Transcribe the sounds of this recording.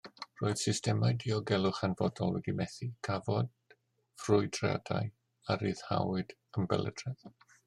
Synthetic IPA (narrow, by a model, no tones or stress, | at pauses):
roːɨð̥sɪstɛmajdiɔɡɛlˠʊχanvɔdɔlˠwɛdimɛθikʰavɔd | frʊɨdra̰da̰j | aɾiːðha̰wɨd̥əmbɛ̰lə̰d̥rɛð